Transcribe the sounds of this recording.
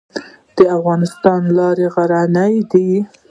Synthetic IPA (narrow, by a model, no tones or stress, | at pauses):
d̪̥əafɣɑnɪst̪ɑnlɑɾeɣaɾanajd̪i